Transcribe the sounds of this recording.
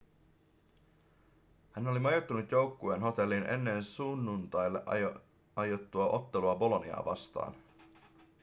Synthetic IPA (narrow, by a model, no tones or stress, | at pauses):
hæno̞limɑjot̪ːunut̪jo̞wkːueːnɦo̞t̪e̞lːine̞̰nːe̞nsunːunt̪ɑjlːe̞ʔ | ɑjot̪ːuɑʔo̞t̪ːe̞luɑbo̞lo̞nḭɑ̰ːʋɑ̰st̪ɑ̰ːn